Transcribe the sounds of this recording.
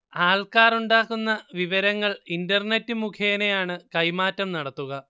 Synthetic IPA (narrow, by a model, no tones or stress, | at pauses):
aːlkaːruɳɖaːkːunːɐʋiʋɐɾɐŋːɐɭindɐrnetːɨmukʰeːnejaːɳɨkɐjmaːtːɐmnɐɽɐt̪ːuɣɐ